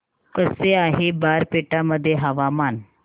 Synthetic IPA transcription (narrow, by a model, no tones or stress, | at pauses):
kəseaɦebaɾpeʈaməd̪ʱːjeɦəʋaman